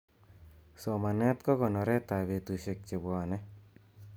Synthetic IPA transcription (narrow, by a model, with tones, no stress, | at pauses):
sɔ˨ma˨nɛ˦t̪kɔ˦kɔ˨nɔ˨ɾɛ˦t̪a˨βe˨t̪u˨se˨k̚t͡ʃɪ˨bɔ˨nɛ˦